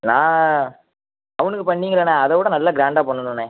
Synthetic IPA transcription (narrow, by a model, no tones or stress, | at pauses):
nãː | ɐʋɐnɯkːɯpɐɳːiːŋɡɐɾɐːneɐðɐʋuːɽɐnɐlːaːɡɾaːɳɖaːpɐɳːɯnɯneː